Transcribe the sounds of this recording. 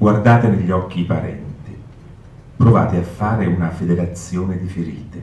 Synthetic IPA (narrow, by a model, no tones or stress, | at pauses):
ɡward̪aːt̪eneʎːiɔkːipaɾɛ̰nt̪i | pɾova̰ːt̪eafːaːɾeunafed̪eɾat̪sːjoːned̪ifeɾḭːt̪e